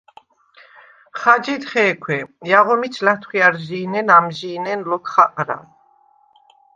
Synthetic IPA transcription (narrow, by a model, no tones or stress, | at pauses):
χad͡ʒit̪χɛːkʰwɛjaʁɔmit͡ʃʰlat̪ʰχiaɾʒiːnɛnamʒiːnɛnlɔkʰχaqʼɾa̰